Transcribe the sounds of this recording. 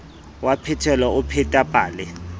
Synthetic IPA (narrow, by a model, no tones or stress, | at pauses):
wapʰɛtʰɛlaʊpʰɛtʼapʼaːlɪ